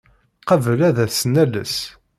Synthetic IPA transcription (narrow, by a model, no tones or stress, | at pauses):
qəvəlæðæθsənælə̰s